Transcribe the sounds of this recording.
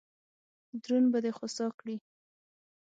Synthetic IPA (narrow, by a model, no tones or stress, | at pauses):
d̪ɾunbad̪exosɑkɽi